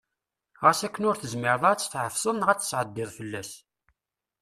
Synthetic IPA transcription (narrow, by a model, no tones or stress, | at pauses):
ʁæsækːənʊɾθəzmɪɾəðˤæt͡sːə̥θʕəfsˤəðˤnʁæt͡sːə̥sʕəd̪ːɪðˤfəlːæs